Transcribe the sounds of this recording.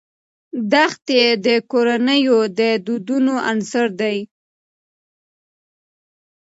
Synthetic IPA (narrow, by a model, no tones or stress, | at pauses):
d̪axt̪ed̪əkoɾanəjod̪əd̪ud̪unoʔansəɾd̪aj